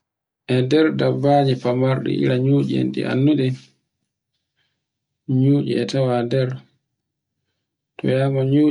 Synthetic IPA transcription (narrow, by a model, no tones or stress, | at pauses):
ʔɛdɛɾdabːaːɲipamaɾɗɛ̰ʔḭɾaɲuːd͡ʒɛ̰ndḭʔa̰nːuɗɛ | ɲuːd͡ʒḭɛtawadɛɾ | tɔ̰jaːmɔɲuː